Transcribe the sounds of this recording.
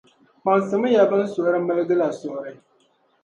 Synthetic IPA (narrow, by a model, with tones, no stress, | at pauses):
ma˨nsɨ˨mɨ˦ja˨bɨ˦n̩˦so˨˦ɾɨ˦mɨ˦lɨ˦ɡɨ˦la˨sɔ˨ɾɨ˨